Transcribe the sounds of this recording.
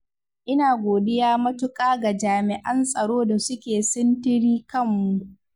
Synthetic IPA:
ʔɪ˦naː˨ɡʷoː˨dɪ˦jaː˦mɐ˦tʊ˦kʼaː˦ɡa˨d͡ʒaː˨mɪ˨ʔɐ˦nsʼɐ˨ɽoː˦da˨sʊ˦kʲeː˨sɪ˦ntɪ˦ɽiː˦kɐ˦˨mːu˨ʔ

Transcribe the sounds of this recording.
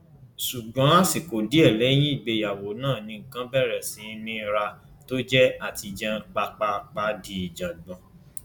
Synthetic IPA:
su˨ɡ͡bã˨˦˨si˨ko˨di˨˦ɛ˦˨lɛ˨˦j̃ĩ˦i˦˨ɡ͡be˧ja˨wo˨˦nãː˦˨nĩ˧ŋ̩˨kã˨˦bɛ˦˨ɾɛ˨sĩ˨˦˧mĩ˧˦ɾa˧ | to˦d͡ʒɛ˦a˦˨ti˧d͡ʒɛ˧k͡pa˧k͡pa˧k͡pa˧di˨˦i˨d͡ʒa˨dɔ̃˨

